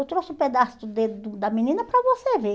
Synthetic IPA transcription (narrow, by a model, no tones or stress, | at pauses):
wt̪ɾosʊũped̪asʊd̪ed̪ʊd̪ɐmĩnĩnɐpɾɐvoseve